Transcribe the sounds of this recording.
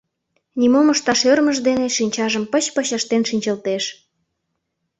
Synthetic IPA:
nʲimoməʃt̪ɑʃørməʒd̪eneʃinʲt͡ɕɑʒəmpə̆t͡ɕpəɕəʃt̪enʃinʲt͡ɕəlt̪eʃ

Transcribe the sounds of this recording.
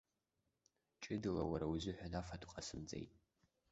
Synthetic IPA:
t͡ʃʼɨdɨla̰waɾawuzʊħʷᶣanafatʰqʼasɨmd͡zʼḛjtʼ

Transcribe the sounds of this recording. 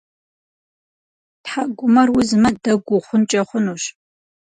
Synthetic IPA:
tħaɡʷʊmɐrwʊzɨmɐdɐɡʷʊχʷʊnt͡ʃʼɐχʷʊnuːɕ

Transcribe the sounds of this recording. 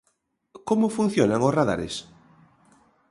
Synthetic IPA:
komʊfun̟θjonaŋʊsraða̰ɾḛs

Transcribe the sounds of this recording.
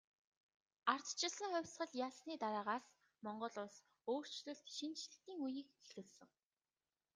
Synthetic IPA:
ar̥t̪t͡ɕʰɪ̆ɮsə̆ŋχʊwʲsχɢə̆ɮjaːsniːt̪aɾaːʁaːs | mɔɴɢɞ̆ɮʊɮs | oːr̥t͡ɕɮɵ̆ɬt̪ʃint͡ɕɮɘ̆xt̪iːŋujiːkexɘ̆wsɘ̆ŋ

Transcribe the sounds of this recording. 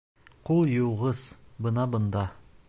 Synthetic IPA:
qulˠjuwʁɤzbɤnɑbɤ̆nd̪ɑ

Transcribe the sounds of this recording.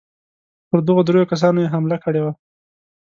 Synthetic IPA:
pəɾd̪əɣod̪ɾojokas̬ɑnojeɦamlakəɽewa

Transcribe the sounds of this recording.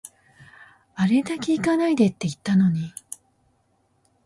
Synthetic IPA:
aɾe̞d̪akʲeikanaid̪e̞t̪ːe̞it̪ːano̞ɲ̟i

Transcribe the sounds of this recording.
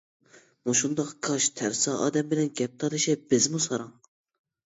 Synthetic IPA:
muʃund̪ɑqkʰɑʃt̪ʰæɾsɑʔɑ̰ːd̪ɛmbɪlɛnɡʲɛp̚t̪ʰɑlɨʃɛb̥ɪzmusɑɾɑŋ

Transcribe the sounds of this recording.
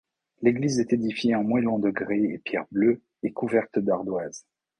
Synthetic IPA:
leɡlizɛt̪ed̪ifjeɑ̃mwɛlɔ̃d̪əɡʁeḛpjɛʁblø | ekuvɛʁt̪d̪aʁd̪waz

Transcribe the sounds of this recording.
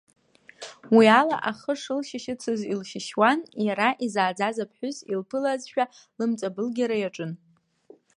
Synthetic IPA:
wiala̰ʔaχəʂɨlʃɪʃɪt͡sʰɨzilʃɪʃwanjaɾaʔizaːd͡zazapʰħʷᶣʊzilpʰɨlazʃᶣa | lɨmt͡sʼabɨlɡʲaɾajaʈ͡ʂʼɨn

